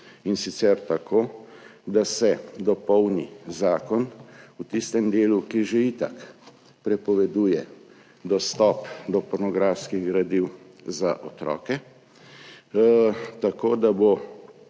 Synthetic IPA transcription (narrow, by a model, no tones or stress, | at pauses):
insit̪sɛɾt̪akʰoːd̪asɛd̪ɔpɔwnizaːkɔnut̪ist̪ɛmd̪eːlukiʒeit̪ak | pɾɛpɔʋɛd̪uːjɛ | d̪ɔst̪ɔpd̪ɔpɔɾnɔɡɾafskiɣɡɾad̪iw | zaʔɔt̪ɾɔ̰ːkɛ | t̪akoːd̪abo